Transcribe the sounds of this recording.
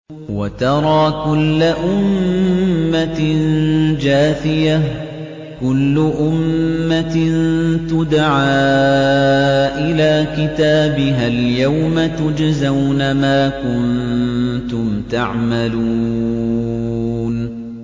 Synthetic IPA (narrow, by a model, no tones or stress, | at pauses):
wat̪ɑɾˤɑːkʊlːaʔʊmmː | and͡ʒaːθɪja | kʊlːʊʔʊmːant̪ʊd̪ʕaː | ʔɪlaːkɪt̪aːbɪɦaljawmat̪ʊd͡ʒazawnamaːkʊn | t̪ʊmt̪aʕmalu | n